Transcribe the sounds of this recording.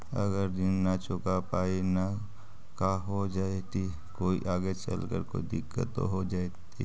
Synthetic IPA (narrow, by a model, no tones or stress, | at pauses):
ɐ̰ɡəɾd̪ɪnːat͡ʃʊkapaːina | kaɦod͡ʒaːet̪i | koːḭʔaːɡet͡ʃə̰lkə̰ɾko̰ːid̪ɪkːə̰t̪o̰ɦod͡ʒaːet̪ḭ